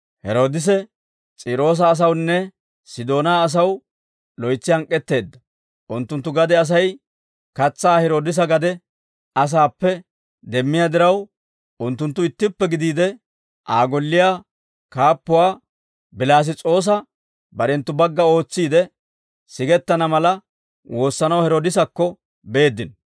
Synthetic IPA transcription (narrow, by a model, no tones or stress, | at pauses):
hɛɾo̞ːd̪ɪs̬ɛ | t͡sʼiːɾo̞ːs̬ɐːs̬ɐwnːɛ | sɪd̪o̞ːnaːs̬ɐw | lɔjt͡sːɪhɐŋkʼːɛt̪ːe̞ːd̪ːɐ | ʔʊnt̪ːʊnt̪ːʊɡɐd̪ɛɐs̬ɐj | kɐt͡sːaːhɛɾo̞ːd̪ɪs̬ɐɡɐd̪ɛ | ɐs̬aːpːɛ | d̪ɛmːɪjad̪ɪɾɐw | ʊnt̪ːʊnt̪ːʊɪt̪ːɪpːɛɡɪd̪iːd̪ɛ | ʔaːɡɔlːɪjaː | kaːpːʊwaː | bɪlaːs̬ɪt͡sʼo̞ːs̬ɐ | bɐɾɛnt̪ːʊbɐɡːɐo̞ːt͡sːiːd̪ɛ | sɪɡɛt̪ːɐnɐmɐlɐ | wʔo̞ːsːɐnɐwhɛɾoːd̪ɪs̬ɐkːɔ | be̞ːd̪ːɪn